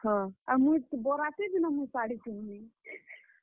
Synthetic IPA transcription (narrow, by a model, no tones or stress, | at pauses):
hɔ̃amut̪boɾat̪ebʱinamusaɽit͡ʃʰunmi